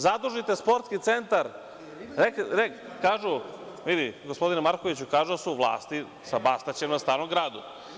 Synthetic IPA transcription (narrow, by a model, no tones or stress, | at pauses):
zad̪ɾuʒit̪e̞spo̞ɾt̪skit̪se̞nt̪aɾ | ɾekɾekːaːʒu | ʋid̪iɡospo̞d̪inemaɾkoʋit͡ɕukaːʒud̪asuʋlˠa̰ːst̪i | sabast̪at͡ɕemnast̪aːɾomɡɾaːd̪u